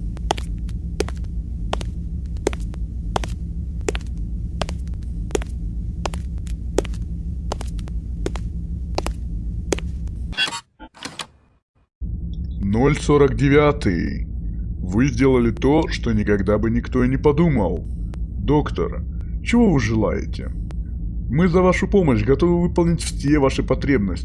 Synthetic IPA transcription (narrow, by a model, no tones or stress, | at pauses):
no̞lʲso̞ɾəkdʲɪvʲat̪ɨjɪ̰ | vɨzʲdʲe̞lˠəlʲɪt̪o̞ʂt̪o̞nʲɪkɐɡd̪abɨnʲɪkt̪o̞nʲɪpɐd̪uməlˠ | d̪o̞kt̪ə̰r | t͡ɕɪvo̞vɨʐɨlˠa̰jɪ̰tʲɪ̰ | mɨzɐvaʂʊpo̞məɕɡɐt̪o̞vɨvɨpəlˠnʲɪtʲfsʲe̞vaʂɨpɐt̪ɾʲe̞bnəsʲtʲɪ